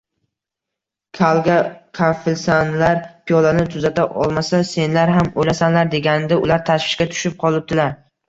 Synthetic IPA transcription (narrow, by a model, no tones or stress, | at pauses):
kʲʰalˠɡʲakʲʰafɪlsanlaɾpʰijɒlanɪt̪ʰʊzat̪ʰaʔɒ̰lˠmasase̞nlaɾɦamojlasanlaɾd̪e̞ɡʲanɪd̪aʊlaɾt̪ʰaʃvɪ̥ʃkʲat̪ʰʊ̥ʃɪp̚qʰɒlˠɪp̚t̪ɪlaɾ